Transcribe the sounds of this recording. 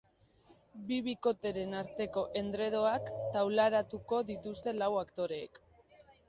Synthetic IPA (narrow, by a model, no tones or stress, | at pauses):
biβiko̞t̪e̞ɾe̞naɾt̪e̞ko̞ʔe̞nd̪ɾe̞ð̞o̞akt̪awlaɾat̪uko̞ðit̪ust̪e̞lawakt̪o̞ɾe̞ːk